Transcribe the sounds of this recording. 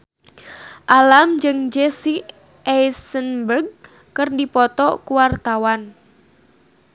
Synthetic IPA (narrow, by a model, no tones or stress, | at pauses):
ʔalamd͡ʒɨŋd͡ʒɛsi | ɛjsənbərɡ̚ | kɨrdipɔt̪ɔkuwart̪awan